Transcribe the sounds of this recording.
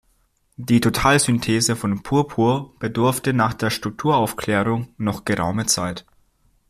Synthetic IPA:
d̥iːtʰotʰaːlzʏntʰeːzəfɔnpʰuːɐpʰuːɐb̥ədʊɐftənaːχd̥eːɐʃtʁ̥ʊk̚tʰuːɐaʊfkl̥ɛːʁ̞ʊŋnɔχɡ̥əʁa̰ʊmət͡saɪt

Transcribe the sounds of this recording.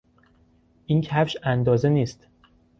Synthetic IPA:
ʔiːncʰæfʃænd̪ɒːze̞niːst̪

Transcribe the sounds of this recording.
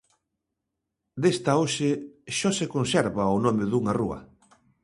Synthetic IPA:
d̪est̪aoʃeʃɔsekonsɛɾβaonɔmɪðuŋaruɐ̰

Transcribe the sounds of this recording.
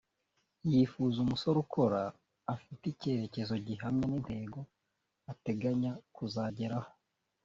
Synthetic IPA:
jifuzumuso̞ɾukʰo̞ɾaː | fitice̞ɾe̞ce̞zo̞ɟiɦamɲeninde̞ɡo̞ | ate̞ɡaɲakuzaɟe̞ɾaho

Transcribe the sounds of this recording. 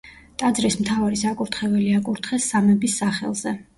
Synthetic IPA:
t̪ʼad̪zɾismt̪ʰavaɾisakʼuɾt̪ʰχɛvɛliakʼuɾt̪ʰχɛsːamɛbisːaχɛ̰lˠzɛ

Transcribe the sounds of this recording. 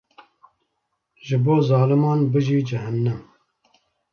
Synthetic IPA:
ʒɨboːzɑːlɨmɑːnbɨʒiːd͡ʒɪɦɨnnɨm

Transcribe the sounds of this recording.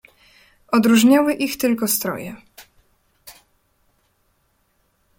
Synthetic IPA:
ʔɔd̪ɾuʐɲawɘʔixt̪ɘlkɔst̪ɾɔ̰jɛ̰

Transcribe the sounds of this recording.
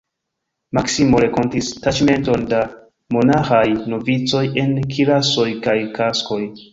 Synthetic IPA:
maksimo̞ɾe̞ko̞ntistat͡ʃme̞nto̞nda | mo̞naxajno̞vit͡so̞je̞nkʰilaso̞jkajkasko̞j

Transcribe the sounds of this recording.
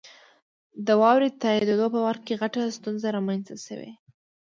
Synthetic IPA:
d̪əwɑwɾed̪̚t̪ɑjid̪ed̪opəwaɾ̚keɣaʈast̪unzaɾɑmanst̪aʃə̰wḛ

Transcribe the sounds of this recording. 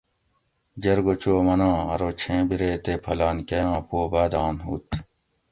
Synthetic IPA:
d͡ʑɐɾɡot͡ɕoːmɐnãːɐ̰ɾot͡ɕʰẽːbiɾeːt̪epʰɐlaːnkɐjãːpoːbaːd̪aːnɦuːt̪

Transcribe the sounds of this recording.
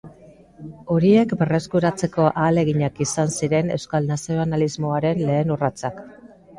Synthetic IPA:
o̞ɾie̞kbe̞re̞skuɾat͡se̞ko̞ʔaːle̞ɣiɲakisansiɾe̞ne̞wskalnasioanalizmo̞aɾe̞nle̞ːnurat͡sak

